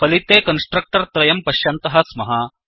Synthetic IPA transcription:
pɐlit̪eːkɐnsʈɾɐk̚ʈɐɾt̪ɾɐjɐmpɐʃjɐnt̪ɐɦɐsmɐɦɐ

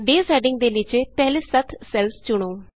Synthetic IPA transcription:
ɖeːsɛːɖɪ̃ŋɡ̚d̪eːlɪt͡ʃeːpɛɦleːsət̪ʰsɛlst͡ʃʊɽ̃oː

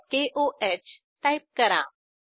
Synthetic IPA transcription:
keʔoʔet͡ɕ | ʈajp̚kəɾã̰

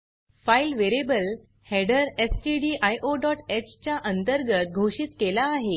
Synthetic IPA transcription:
failʋeɾebəl | hɛɽəɾesʈiɖiːʔajʔoɖɔʈet͡ɕt͡ɕjaʔənt̪əɾɡət̪̚ɡʱoɕiːt̪kelaːɦe

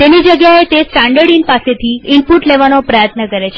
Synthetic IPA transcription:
t̪enid͡ʒəɡjaet̪esʈãɳɖəɽinpaset̪ʰiɪmpuʈleʋanopɾəjət̪nəkəɾet͡ʃʰe

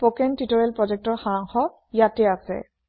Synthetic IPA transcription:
pokɛntitɔɹɛlpɹɔzɛk̚tɔɹxaɹaŋxɔ | jatɛasɛ̰

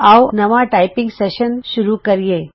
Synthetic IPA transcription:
awnɐʋaʈajpɪ̃ŋɡseʃənʃuɾukəɾije

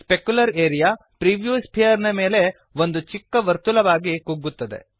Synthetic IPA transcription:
spekjulɐɾeːɾijaː | pɾiʋjuːspʰijɐɾnɐme̞ːle̞ | ʋo̞nd̪ut͡ʃikːɐʋɐɾt̪ulɐʋaːɡikuɡːut̪ːɐd̪e̞̰

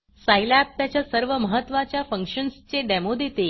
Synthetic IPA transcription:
sajlap̚t̪jat͡ɕjasəɾʋəməɦət̪ːʋat͡ɕjafə̃ŋkʂənst͡seɖɛmod̪et̪e

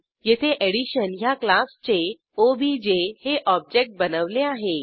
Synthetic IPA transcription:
jet̪ʰeʔeɽiɕənjaklast͡ɕe | obid͡ʑeheʔɔb̚d͡ʑek̚ʈ̚bənəʋleaɦe

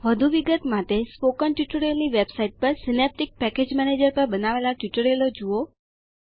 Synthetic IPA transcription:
ʋəd̪ʱuʋiɡət̪mat̪espokənʈiʈəɾelniʋebsaiʈ̚pəɾsinep̚ʈik̚pɛked͡ʒmɛned͡ʒəɾpəɾbənaʋelaʈiʈəɾelod͡ʒuo

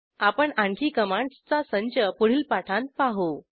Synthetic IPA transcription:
apəɳãɳʈʰiːkəmaɳt͡sasəɲt͡ɕəpuɽ̤iːlpaʈʰãnt̪̚paɦo

